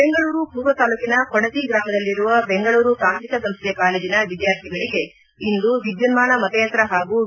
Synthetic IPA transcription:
beŋɡɐɭuːɾupuːʋɐt̪aːluːkinɐkoɽɐt̪iɡɾaːmɐd̪ɐlːiɾuʋɐbe̞ŋɡɐɭuːɾukaːnt̪ɾikɐsɐmst̪ʰɛkaːleːd͡ʒinɐʋid̪jaːɾt̪ʰiɡɐɭiɡe̞ | ind̪uʋid̪jɐnmaːɳɐmɐt̪ɐjɐnt̪ɾɐɦaːɡu

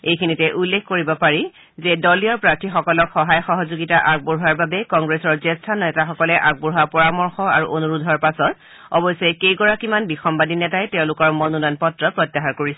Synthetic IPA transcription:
ejkʰinitɛʔulːekʰkoɹibɔpaɹi | zɛdɔliɔɹpɹaktʰixɔkɔlɔkxɔɦajxɔɦɔzoɡitaʔak̚bɔɹɦaɹbabɛkɔŋɡɹesɔɹzɛstʰanɛtaxɔkɔlɛʔak̚bɔɹɦapɔɹamɔɹxɔa̰ɹuʔonuɹudʱɔɹpasɔt | ɔ̰bɔjsejkejkɔɹakimanbixɔmbadinɛtajtɛʊ̃lʊkɔɹmɔnunɔjnpɔtɹɔpɹɔtːaxaɹkoɹisɛ

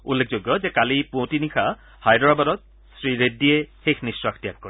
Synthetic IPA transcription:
ulːek̚ʰzoɡjɔzɛkalipõtinikʰa | hajdɔɹabadɔt̪̚ | sɹiɹediexexʰnisɹaktijakːɔɹi

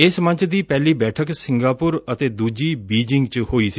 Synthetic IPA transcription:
ɪsmə̃ɲt͡ʃd̪iːpɛːliːbɛːʈʰəksɪŋɡaːpʊɾət̪eːd̪uːd͡ʒiːbiːd͡ʒɪŋɡt͡ʃhoːiːsi

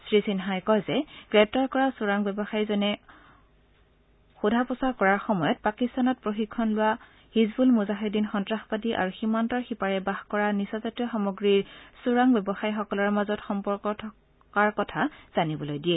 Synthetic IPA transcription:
sɹisinɦajkɔjzɛɡ̥ɹɛp̚taɹkɔɹasʊɹaŋbɛbɔxaɹizɔnɛ | xudʱapɔsakɔɹaɹxɔmɔjɔt̚pakistanɔt̚pɹoxikʰːɔnlʊwa | hizbulmuzaɦedinxɔntɹaxpadiʔa̰ɹuximantɔɹxipaɹɛbaxkɔɹanisɔzatijɔxamɔɡɹiɹsuɹaŋbɛbɔxajxɔkɔlɔɹmazɔtxɔmpɔɹkɔtʰɔ | kaɹkɔtʰaz̥anibɔlojdiɛ

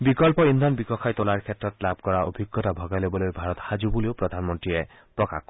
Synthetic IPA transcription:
bikɔlpɔind̪ʱɔnbikɔkʰajtolaɹkʰɛtɹɔtlab̚ʱkɔɹaʔo̰bʱiɡːɔtabʱɔɡajlobɔlojbʱaɹɔtxazubuleʊpɹɔdʱanmɔntɹijɛ | pɹɔka̰x

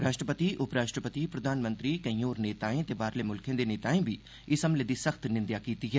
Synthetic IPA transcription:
ɾaːʃʈɾəpət̪iʔʊpɾaːʃʈɾəpət̪ipɾəd̪ʱaːnmə̃nt̪ɾiːkɐĩjoːɾneːt̪aːẽt̪eːbaːɾleːmʊlkʰẽːd̪eːneːt̪aːẽːbʱiː | ɪsɐmleːd̪iːsəkʰt̪nɪ̃nd̪jaːkiːt̪iːɦɛː

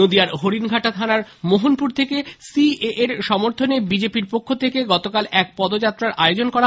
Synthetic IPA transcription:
od̪iaɾɦoɾinɡʱaʈat̪ʰanaɾmoɦonpuɾt̪ʰekesieʔeɾʃɔmoɾt̪ʰonebid͡ʑepiɾpokʰːot̪ʰekeɡɔt̪okalɛk̚pɔd̪od͡ʑat̪ːɾaɾʔaeod͡ʑonkɔɾa

